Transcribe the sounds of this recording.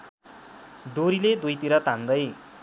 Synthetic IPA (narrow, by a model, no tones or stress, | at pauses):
ɖoɾiled̪ujt̪iɾʌt̪and̪ʌj